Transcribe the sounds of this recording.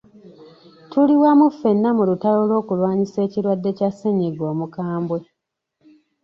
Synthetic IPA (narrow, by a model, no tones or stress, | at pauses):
tuliwamufːe̞nːamulutalo̞lo̞ːkulwaːɲise̞ːciɾwadːe̞casːeɲeɡo̞ːmukaːmbwe̞